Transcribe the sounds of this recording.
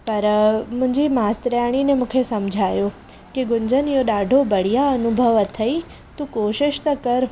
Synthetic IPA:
pɐɾmʊ̃ɦɪ̃ɲd͡ʑimaːst̪ɾjaɽ̃inemũːkʰesɐmd͡ʑʱaːjo | kiɡʊɲd͡ʑənjoɗaːɖʱobɐɽ̤ijaɐnʊbʱəʋət̪ʰɐi | t̪ũkoːʃɪʃt̪ɐkɐɾ

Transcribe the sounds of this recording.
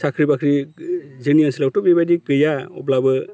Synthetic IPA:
sakʰɾibakʰɾizɯnianslaw̚tɔbebajdikɯjaɔblabɯ

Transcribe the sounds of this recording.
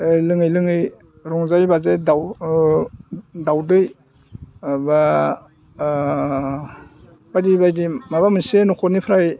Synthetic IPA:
lɯŋɯjlɯŋɯj | ɾɔŋzajbazajdaw | dawdɯj | ba | badibajdimaβamɯnsenɔkʰɔnipʰɾaj

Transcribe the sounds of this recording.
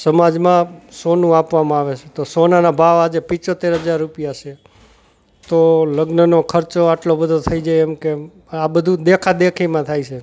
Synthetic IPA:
səmad͡ʒmãsonũapʋamãaʋet͡ʃʰet̪osonanabʱaʋad͡ʒepɪ̃t͡ʃot̪eɾɦəd͡ʒaɾːupijaʃʰe | t̪oləɡnənokʰəɾt͡ʃoaʈlobəd̪ʱot̪ʰəid͡ʒaeɛmke | abəd̪ʱũd̪ekʰad̪ekʰimãt̪ʰait͡ʃʰe

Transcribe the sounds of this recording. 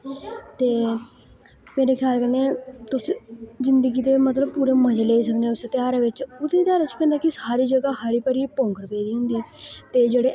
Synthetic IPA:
t̪eː | meːɾeːkʰjaːlkəneːt̪ʊszɪnd̪əɡiːt̪eːmət̪ləb̚puːɾeːməd͡ʒleːis̬əkneʊset̪ɪjaːɾeʋɪt͡ʃʊt̪et̪jaːɾat͡ʃʰukɛ̃ːnd̪aːkɪsaːɾiːd͡ʒəɡaːɦəɾiːpəɾiːpõːŋkəɾpeːd̪iːɦʊ̃nd̪iːt̪eːd͡ʒeːɽeː

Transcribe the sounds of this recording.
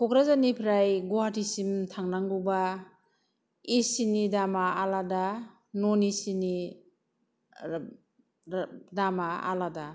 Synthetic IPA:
kɔkɾazanipʰɾajɡohatʰisimtʰaŋnaŋɡuba | isinidamaalada | nɔnisini | damaa̰lada

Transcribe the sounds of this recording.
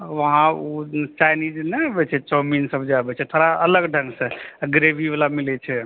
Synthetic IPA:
ʋəɦãut͡ʃajnid͡ʒnɛeabɛt͡ʃʰɛt͡ʃɔminsəbd͡ʒabɛt͡ʃʰɛt̪ʰoɾaələɡɖʱəŋɡsẽɡɾebʱibalamilɛt͡ʃʰɛ

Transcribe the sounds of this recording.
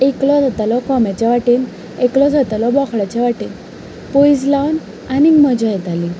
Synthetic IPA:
eklɔd͡zʱat̪alɔkɔmat͡ɕaʋaʈiːn | eklɔd͡zʱat̪alɔbɔkʰɭat͡ɕaʋaʈiːn | poid͡zlawn | animɔd͡ʑɔjɛt̪ali

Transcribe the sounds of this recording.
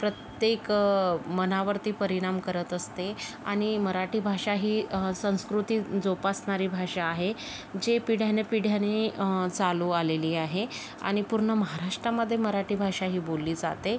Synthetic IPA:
pɾət̪jekmənaʋəɾt̪iːpəɾiɽ̃amkəɾət̪əst̪ea̰ɽ̃iməɾaʈiːbʱaʂaɦiːsə̃w̃skɾut̪iːd͡zopasɳaɾiːbʱaʂaːɦe | d͡ʑepiɽ̤janepiɽ̤janet͡saluːaleliːaɦe | a̰ɽ̃ipuɾɳəməɦaɾaʂʈɾaməd̪ʱːjeməɾaʈiːbʱaʂaɦiːbolːiːd͡za̰t̪e

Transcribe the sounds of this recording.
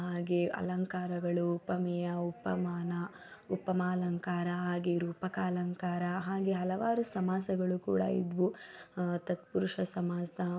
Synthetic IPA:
ɦaːɡeɐ̰lɐŋkaːɾɐɡɐɭuːpːɐmɛjɐupːɐ̰maːnɐ | upːɐmaːlɐŋkaːɾɐɦaːɡeɾuːpɐkaːlɐŋkaːɾɐɦaːɡeɦɐlɐʋaːɾusɐmaːsɐɡɐɭukṵːɽɐ̰ḭd̪ʋu | t̪ɐt̪puɾuʂɐsɐmaːsɐ

